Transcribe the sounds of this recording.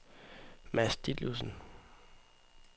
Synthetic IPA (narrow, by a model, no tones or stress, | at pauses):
mæsd̥id̥lusn̩